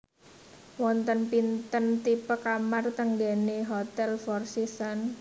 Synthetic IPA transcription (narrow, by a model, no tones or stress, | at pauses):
wɔnt̪ənpint̪ənt̪ipəkamart̪əŋɡɛneɦot̪ɛlfɔrsisan